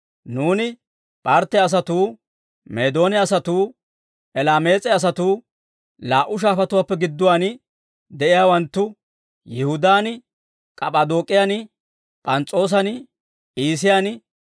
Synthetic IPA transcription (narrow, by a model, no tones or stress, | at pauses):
nuːnɪ | pʼɐɾt̪ːɛɐs̬ɐt̪uː | me̞ːd̪o̞ːnɛɐsɐt̪uː | ʔɛlaːmeːt͡sʼɛɐs̬ɐt̪uː | laːʔʊʃ̬aːfɐt̪ʊwaːpːɛɡɪd̪ːʊwaːn | d̪ɛʔɪjaːwɐnt̪ːʊ | jɪhʊd̪aːn | kʼɐpʼad̪o̞ːkʼːɪjan | pʼɐnt͡sʼo̞ːs̬ɐn | iːs̬ɪjanɪ